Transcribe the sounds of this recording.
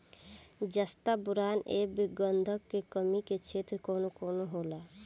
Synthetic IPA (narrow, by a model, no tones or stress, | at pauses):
d͡ʒəst̪abʊɾaːnḛːbiɡənd̪ʱəkːekəmiket͡ʃʰeːt̪ɾkoːnokoːnoɦoːla